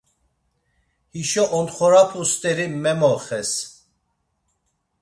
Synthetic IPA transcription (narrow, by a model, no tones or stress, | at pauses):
hiʃɔʔɔnχɔɾapʰust̪ʼɛɾimɛmɔχɛs